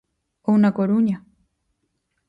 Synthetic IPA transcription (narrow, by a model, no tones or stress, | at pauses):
ounakoɾuɲa